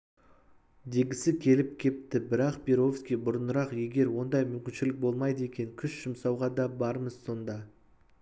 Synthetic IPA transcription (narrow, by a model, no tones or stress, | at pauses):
d̪e̞ɡʲɪsɪkʲʰe̞lɪp̚kʲʰe̞p̚t̪ɪbɪɾɑqpʲeɾo̞fskʲijbʊɾənəɾɑqje̞ɡʲe̞ɾwo̞nd̪ɑjmʏmkʲɪnʃɪlɪk̚bo̞lˠmɑjd̪əe̞kʲe̞ŋkʲʰʏsʒ̥ɪmsɑwʁɑd̪ɑbɑɾməz̥so̞nd̪ɑ